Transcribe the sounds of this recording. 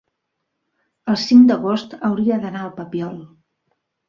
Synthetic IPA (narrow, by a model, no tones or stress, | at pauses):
əlˠsiŋd̪əɣost̪əwɾiəðənaəlˠpəpiɔl